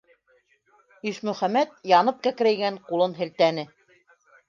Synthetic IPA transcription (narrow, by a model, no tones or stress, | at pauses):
iʃmɵ̆χæmæt̪̚jɑnɤp̚kæk̆ɾæjɡæɴqulˠɤnɦɘ̆lt̪ænɘ